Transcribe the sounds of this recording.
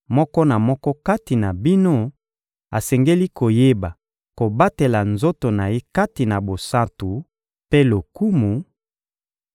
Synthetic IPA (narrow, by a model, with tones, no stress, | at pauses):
mɔ˦kɔ˦na˨mɔ˦kɔ˦ka˦ti˨na˨bi˦no˦ | a˨sɛ˨ŋɡe˦li˦ko˨je˦ba˨ | ko˨ba˦te˨la˨nzo˦to˨na˨je˦ka˦ti˨na˨bo˨sa˦tu˨ | pe˦lo˨ku˦mu˨